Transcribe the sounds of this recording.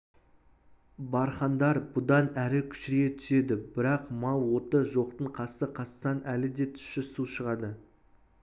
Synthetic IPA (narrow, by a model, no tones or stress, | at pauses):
bɑɾχɑnd̪ɑɾbʊd̪ɑnæɾɪkʲʰʏ̥ʃɪɾʲet̪ʰʏ̥se̞d̪ɪbɪɾɑqmɑlˠwo̞t̪əʒo̞qt̪əɴqʰɑsəqʰɑssɑnʔælɪd̪e̞t̪ʰʏ̥ʃɪsuʃəʁɑd̪ə